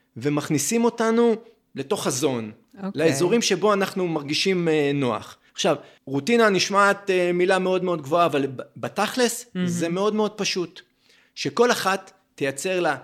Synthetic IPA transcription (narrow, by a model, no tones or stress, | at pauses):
ve̞maχnisimo̞tanu | le̞to̞χazo̞n | laezo̞ʁimʃe̞bo̞anaχnumaʁɡiʃimno̞a̰χ | aχʃav | ʁutinaniʃmaːt̪emilame̞o̞dme̞o̞d̪̚ɡvo̞aːvalbataχleszeme̞o̞dme̞o̞d̚paʃut | ʃe̞ko̞laχatː | ejat͡se̞ʁla